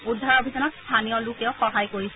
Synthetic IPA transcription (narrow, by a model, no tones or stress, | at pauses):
ud̪ʱːaɹobʱizanɔtst̪ʰanijɔlʊkɛʊxɔɦajkoɹisɛ